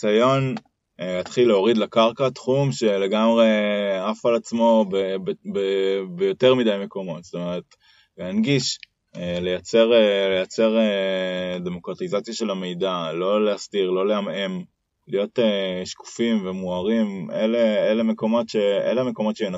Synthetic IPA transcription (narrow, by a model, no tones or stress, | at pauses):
sajo̞n | hat̪χilːeo̞ʁidlakaʁkat̪χumʃe̞le̞ɡamʁe̞afalat͡smo̞bebbebejo̞teʁmidajme̞ko̞mo̞tz̥t̪o̞me̞ʁet | leanɡiʃ | elejat͡seʁlejat͡se̞ʁe | de̞mo̞kʁatizat͡sjaʃe̞lame̞jdalo̞leastiʁlo̞leamem | lijo̞teʃku̥fimvemuaʁimeleele̞me̞ko̞mo̞tʃeḛleme̞ko̞mo̞tʃeen